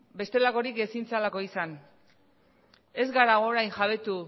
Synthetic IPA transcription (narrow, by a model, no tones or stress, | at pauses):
be̞st̪e̞lako̞ɾike̞sint͡salako̞isan | e̞zɡaɾaɣ̞oːɾajnʝaβe̞t̪u